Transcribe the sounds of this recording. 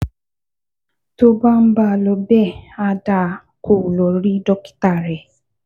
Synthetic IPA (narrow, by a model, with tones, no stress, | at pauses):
to˦ba˦m̩˦ba˧˨lɔ˨bɛ˦˨a˧da˦˨ | ko˨lɔ˨ɾi˦dɔ˦ki̥˦ta˦˨ɾɛ˨